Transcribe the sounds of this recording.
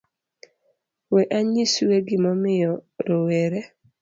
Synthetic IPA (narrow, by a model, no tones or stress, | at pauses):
weʔaɲisweɡɪmɔmɪjɔɾoweɾe